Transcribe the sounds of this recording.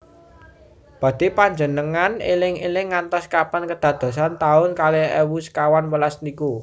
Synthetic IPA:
b̥ä̤d̪̥i̤paɲd͡ʒənəŋanḛlɪŋelɪŋːant̪ɔskapankəd̪̥ä̤d̪̥o̤sant̪aʊnkaleewuskawanwəlasniku

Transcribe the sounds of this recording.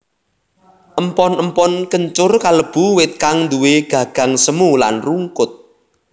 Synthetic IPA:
ʔəmpɔnəmpɔnkəɲt͡ʃʊrkaləb̥ṳwɪt̪̚kaŋnd̪uweɡ̥ä̤ɡ̥ä̤ŋsəmula̰nruŋkʊt̪̚

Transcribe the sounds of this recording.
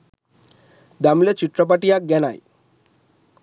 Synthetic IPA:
d̪amlet͡ɕiʈ̪ɾəp̬aʈijak̚ɡɛna̰j

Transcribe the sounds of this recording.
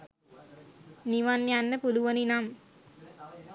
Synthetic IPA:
niʋanjanːɐpuluʋɐninam

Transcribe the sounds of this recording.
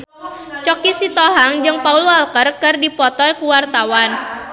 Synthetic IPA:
t͡ʃɔkisit̪ɔɦaŋd͡ʒɨŋpaulualkərkɨrdipɔt̪ɔrkuwart̪awan

